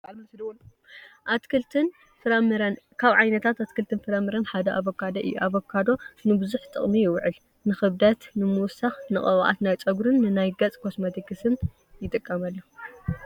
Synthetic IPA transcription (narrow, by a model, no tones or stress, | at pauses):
blmɐsd̪w | ʔat̪kʰɨlt̪ʰɨn | fɨɾɐmɨɾɐnkʰaβʕajnɐt̪ʰat̪at̪kʰɨlt̪ʰɨnfɨɾɐmɨɾɐnħad̪ɐʔaβokʰːad̪ɐʔɨ̰jːṵʔaβokʰːad̪o̞nɨbɨzuħt̪ʼɨ̰χʼmijɪwʕɨl | nɨxɨβd̪ɐt̪nɨmuwsaxnɨχʼɐw̰ʔa̰t̪najt͡sʼɐɡɾɨnːɨnajɡɐt͡sʼkʰosmɐt̪ʰikɨsɨn | jɪt̪ʼɨkʼːɐmɐlːo